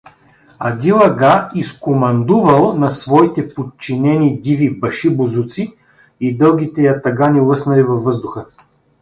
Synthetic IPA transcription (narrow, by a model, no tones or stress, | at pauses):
ɐd̪ʲilˠɐɡaiskomɐnd̪uvɐlˠnɐsvɔit̪ɛpot̪t͡ʃinɛnid̪ivibɐʃibʊzut̪si | id̪ɤlˠɡʲit̪ɛjɐt̪ɐɡanilˠɤsnɐlivɐvvːɤzd̪ʊxə